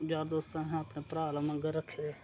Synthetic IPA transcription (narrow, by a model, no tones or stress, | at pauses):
d͡ʒaːɾd̪oːst̪ãɦɛ̃əpnepɾaːləməɡɾəkʰːe